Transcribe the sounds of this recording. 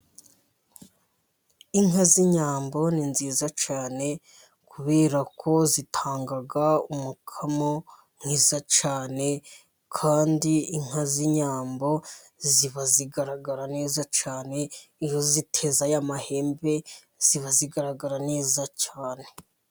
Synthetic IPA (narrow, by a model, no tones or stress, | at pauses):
iŋɦaziɲaːmbo̞ninziːzat͡ʃaːne̞ | kuβe̞ːɾakʰo̞zitʰaːŋɡaɡaumukʰamo | ŋ̥hiːzat͡ʃaːne̞ | kʰaːndiiŋ̥haziɲaːmbo̞ | ziβaziɡaɾaɡaɾane̞ːzat͡ʃaːne̞ijo̞zitʰe̞zajamahe̞ːmbe̞ | z̥iβaziɡaɾaɡaɾane̞ːzacaːne̞